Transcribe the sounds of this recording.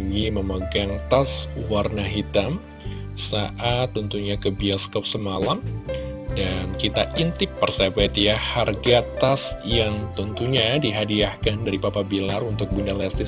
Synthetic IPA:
ŋiməməɡaŋt̪aswarnaɦit̪am | saʔat̪ːɔnt̪uɲakəbiaskap̚səmalam | dankit̪aʔint̪ɪpːərsabɛt̪jaharɡat̪asjaŋt̪ɔnt̪uɲadiɦadiahkandaɾipapabilarunt̪ʊk̚bundalɛst̪ɪ

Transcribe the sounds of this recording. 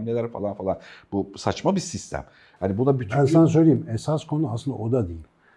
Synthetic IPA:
mnelʲæɾfa̰lˠanfalˠanbusat͡ʃmabisist̪ʰæ̰m | hanibunabyt̪ʰbænsanasø̞jlʲeimɛsaskʰo̞nuaslɯnd̪a̰ʔod̪ad̪ejil

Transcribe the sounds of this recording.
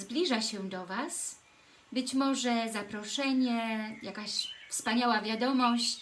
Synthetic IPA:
zblʲiʐaɕɛd̪ɔvas | bɘt͡ɕmɔʐɛzapɾɔʂɛɲɛjakaɕfspaɲawavʲjad̪ɔmɔɕt͡ɕ

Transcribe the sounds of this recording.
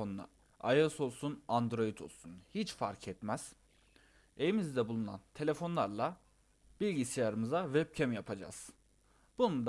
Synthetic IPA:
onna̰ | ajoso̞lˠsunand̪ɾo̞jit̪ʰo̞lˠsunhit͡ʃfaɾcʰɛt̪mæz̥ | e̞vimizd̪ɛbulˠuna̰nt̪ʰe̞lʲe̞fo̞nlˠaɾlˠa | b̥ilʲɟisijaɾɯmɯzavɛp̚cʰɛmjapʰad͡ʒa̰z̥ | b̥unund̪

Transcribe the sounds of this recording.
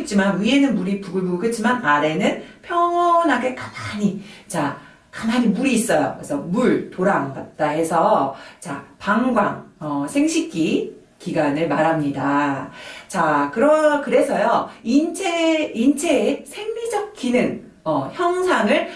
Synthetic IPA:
ɯt̚t͡ɕ͈imanwie̞nɯnmuɾipuɡɯɭbukɯt̚t͡ɕ͈ʰimanaɾe̞nɯnpʰjʌŋʌnɦaɡe̞kḁmaɲit͡ɕa | kamaɲimuɾiːs͈ʌjo̰esʰʌmuɭtoɾaŋɡat̚t͈aɦe̞sʰʌt͡ɕa̰paŋɡwa̰ŋʌsʰe̞ŋɕʰik̚k͈i | kiɡanɯɭmaɾamɲida | t͡ɕakɯɾʌkɯɾe̞sʰʌjoint͡ɕʰeint͡ɕʰesʰe̞ŋmid͡ʑʌk̚k͈inɯŋ | ʌçjʌŋsʰaŋɯɭ

